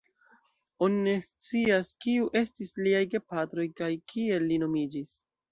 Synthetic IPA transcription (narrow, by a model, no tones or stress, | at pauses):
o̞nine̞st͡siaskiuʔe̞stisliajɡe̞patɾo̞jkajkʰie̞lːino̞mid͡ʒis